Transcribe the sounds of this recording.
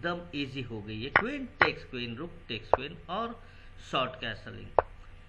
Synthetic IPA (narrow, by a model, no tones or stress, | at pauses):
d̪əmiːziɦoɡɐiɦɛkwẽːnʈeːkskweːnɾʊk̚ʈeːkskwẽːnɔːɾ | sɔːɾʈkɛːsəlɪ̰̃ŋɡ